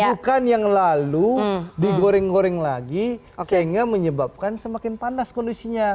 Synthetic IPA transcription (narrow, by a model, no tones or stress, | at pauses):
bukanjaŋlaludiɡoɾɛŋɡoɾɛŋlaɡi | səɦiŋɡaməɲəbap̚kansəmakɪnpandaskɔndisiɲa